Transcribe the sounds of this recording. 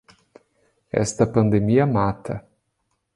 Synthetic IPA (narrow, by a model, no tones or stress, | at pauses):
ɛ̰st̪ɐpɐ̃nd̪emiɐmat̪ɐ